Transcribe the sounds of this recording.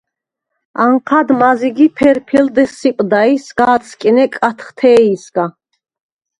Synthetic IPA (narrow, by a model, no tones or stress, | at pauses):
aɴqʰad̪maziɡipʰɛɾpʰild̪ɛsːipʼd̪aisɡaːt̪sʰʼkʼinɛkʼat̪ʰχt̪ʰɛːisɡ̥a